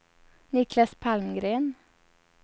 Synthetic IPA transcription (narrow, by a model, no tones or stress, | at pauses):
nɪkʰlɑspʰɑlmɡɾeːn